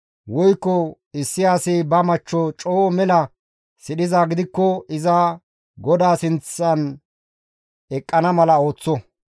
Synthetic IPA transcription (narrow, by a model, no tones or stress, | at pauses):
wɔjkːɔ | ɪsːɪjaːsɪbɐmɐt͡ʃːɔt͡ʃʼoːmɛlɐ | sɪɗɪzaːɡɪd̪ɪkːɔɪzɐ | ɡɔd̪aːsɪnt͡sːɐn | ɛkʼːɐnɐmɐlɐo̞ːt͡sːɔ